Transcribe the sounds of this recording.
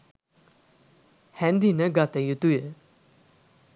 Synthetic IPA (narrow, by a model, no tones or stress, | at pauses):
hænd̪inəɦɡat̪əjut̪ujə